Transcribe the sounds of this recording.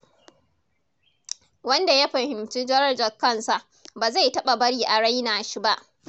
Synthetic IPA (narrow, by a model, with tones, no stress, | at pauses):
wɐ˦nda˨ja˦ɸɐ˨hɪ˨mt͡ʃiː˦d͡ʒɐ˦ɾɐ˦rd͡ʒɐ˨kɐ˦˨nsa˨ʔ | baː˨za˦˨jtɐ˦ɓa˨bɐ˦ɽiː˨ʔa˨ɽa˦jnaː˨ʃi˦ba˦ʔ